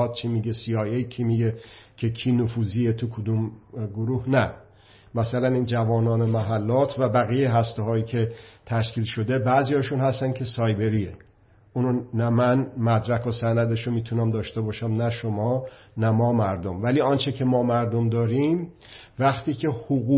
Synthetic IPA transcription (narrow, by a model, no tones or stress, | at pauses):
t̪̚t͡ʃʰimiɡesiːɒjejcʰimiɟecʰe̞kʰiːnofuːziet̪ʰukʰod̪umɡoɾuːhnæ | mæsælæniːnd͡ʒævɒːnɒːnemæɦælːɒːt̪ʰvæbæɣijeɦæst̪eɦɒːiːkʰe̞t̪ʰæʃkʰiːlʃo̞d̪e̞bæzijɒːʃunhæst̪æncʰe̞sɒːjbe̞ɾiːe | ʔunonæmænmæd̪ɾækʰosænæd̪e̞ʃomiːt̪ʰunæmd̪ɒːʃt̪e̞bɒːʃæmnæʃomɒː | næmɒːmæɾd̪omvæliːɒːnt͡ʃʰecʰe̞mɒːmæɾd̪omd̪ɒːɾim | væxt̪ʰiːcʰe̞hoɣu